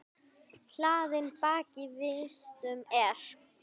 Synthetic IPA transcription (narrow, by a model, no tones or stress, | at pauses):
l̥aːðɪnpaːcɪvɪst̪ʏmɛɾ̥